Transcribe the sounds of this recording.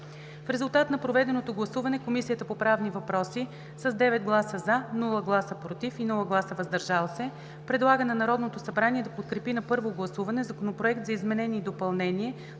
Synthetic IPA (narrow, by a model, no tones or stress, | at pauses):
fɾɛzulˠt̪at̪nɐpɾovɛd̪ɛnot̪oɡlˠɐsuvɐnɛkomisijət̪əpopɾavnivɐpɾɔsi | sɐzd̪ɛvɛd̪̚ɡlˠasəzanulˠəɡlˠasəpɾot̪ifinulˠəɡlˠasəvɐzd̪ɐɾʒalˠsɛ | pɾɛd̪lˠaɡənɛnɐɾɔd̪not̪osɐbɾanʲiɛd̪ɐpot̪̚kɾɛpinɐpɤɾvoɡlˠɐsuvɐnɛzɐkonopɾoɛkt̪zɐizmɛnɛniːd̪opɐlˠnɛniɛ